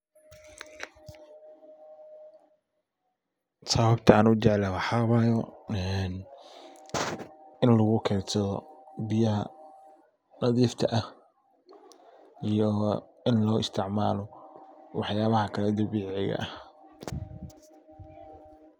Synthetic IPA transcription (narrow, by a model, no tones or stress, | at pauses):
saːβɐbt̪ʰɐaːnʊt͡ʃɛʕlɐwɑħɑβajɔɛn | ɪnlɐɣʊkʰɛːɾsɐðɔ̰bɪjɐɦɐ̰ | nɐðiːft̪ʰɐʔɐh | ijɔ | ɪnlɔːʔɪst̪ʰɪʕmaːlɔwɑħjaːβɐhɐkʰɐlɛd̪ɐβiːʕɪɣɐ̰ʔɐh